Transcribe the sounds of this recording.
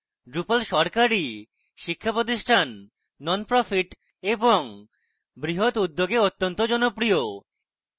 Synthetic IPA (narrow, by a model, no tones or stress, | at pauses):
ɖɾupalʃɔɾkaɾi | ʃikʰːapɾot̪̬iʃʈʰanː | ɔnpɾɔfiʈ | eboŋ | bɾiɦot̪ud̪ːoɡeot̪ːont̪od͡ʑɔnopɾio